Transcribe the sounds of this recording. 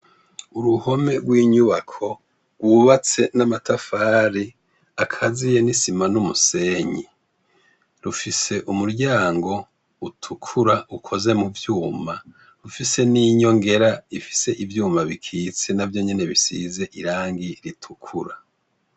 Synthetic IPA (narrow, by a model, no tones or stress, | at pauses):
uɾuho̞me̞ɡwiːɲuβakʰo̞ | ɡwuːβat͡se̞namatʰafaːɾi | akʰazije̞nisimanumuse̞ːɲi | ɾufise̞ʔumuɾɟaːŋɡo̞ | utʰukʰuɾaukʰo̞ze̞muvjuːma | ɾufise̞niːɲo̞ŋɡe̞ɾaifi̥se̞ʔivjuːmaβikʰiːt͡se̞navjo̞ɲe̞ne̞βisḭze̞ʔiɾaːŋɡiɾitʰu̥kʰuɾa